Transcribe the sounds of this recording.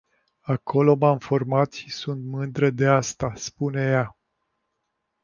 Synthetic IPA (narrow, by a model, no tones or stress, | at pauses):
akʰo̞lo̞mamfo̞rmat̪ʃisunt̪mɨnd̪ɾəd̪east̪aspune̞ja